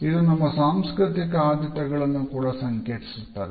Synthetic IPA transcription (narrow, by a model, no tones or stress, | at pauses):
id̪unɐmːɐsaːmskɾɨt̪ikɐaːd̪ɐt̪ɐɡɐɭɐnːukuːɽɐsɐŋkeːʈisut̪ːɐːde